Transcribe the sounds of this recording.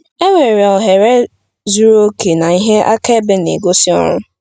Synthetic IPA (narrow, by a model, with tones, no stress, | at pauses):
e˦ŋʷe˨ɾe˨ɔ˨ɦe˨ɾe˦ | zu˦ɾo˦ke˨na˨i˦ɦe˦ʔa˦ke˦e˦be˦nḛ˨ɡo˦si˦ɔ̰˦ɾʊ˦